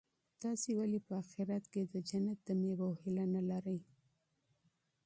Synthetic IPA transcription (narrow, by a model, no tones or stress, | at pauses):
t̪ɑsewalepəaxɪɾat̪ked̪əd͡ʒanat̪̚d̪əmewawhɪlanalaɾəj